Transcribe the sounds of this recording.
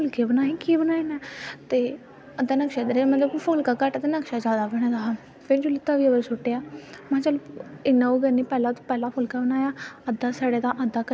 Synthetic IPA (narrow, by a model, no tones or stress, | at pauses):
ʊlkeːbənaːẽkiːbənaːenɛ̃ːt̪eː | əd̪aːnəkʃeːd̪ɾmə̃t̪ləbpʰʊlkaːkəʈt̪enəkʃaːd͡ʒaːd̪aːbəɽ̃ẽːd̪aa | pʰɪɾd͡ʒoːlɪt̪aːʋiːəʋəɾsʊʈːejaːmãːt͡ʃəlbɪnːãːoːɡəniːpɛːlãːt̪õpɛːlaːpʰʊlkaːbənaːjaːəd̪aːsaːɽeːd̪ãːʔəd̪aːkə